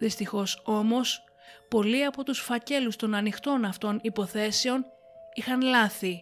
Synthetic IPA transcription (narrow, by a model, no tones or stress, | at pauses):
ðist̪ixo̞so̞mo̞s | po̞liɐpo̞t̪usfɐce̞lust̪o̞nɐnixt̪o̞nɐft̪o̞nipo̞θe̞se̞o̞n | ixɐnlɐθi